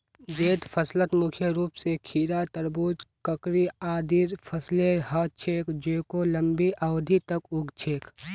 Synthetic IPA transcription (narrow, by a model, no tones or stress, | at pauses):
d͡ʒeːt̪pʰəslət̪mʊkʰjəɾuːpsekʰiːɾat̪əɾbuːd͡ʒkəkɾiaːd̪iːɾpʰəsleɦəːt͡ʃʰeːkd͡ʒeːkoləmbiʔəwd̪ʱit̪əkʊɡt͡ʃʰeːk